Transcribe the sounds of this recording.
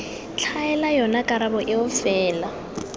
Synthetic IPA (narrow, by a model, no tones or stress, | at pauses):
t͡ɬʰaɛlajɔnakʼaɾabɔʔɪʊfɛːla